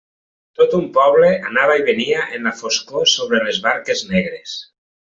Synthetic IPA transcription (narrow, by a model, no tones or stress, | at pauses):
t̪ot̪umpɔβleanaβaiβeniaʔenlafoskosoβɾelezβaɾkeznɛɣɾes